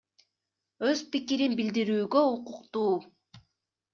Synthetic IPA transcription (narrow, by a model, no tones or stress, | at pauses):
øzpikiɾinbild̪iɾyːɡø̞uquqt̪uː